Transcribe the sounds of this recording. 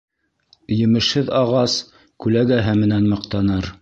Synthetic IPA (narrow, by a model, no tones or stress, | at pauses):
jɘ̆mɘ̆ʃhɘðɑʁɑs | kʉlæɡæɦɘmɘ̆nænmɤ̆qt̪ɑnɤɾ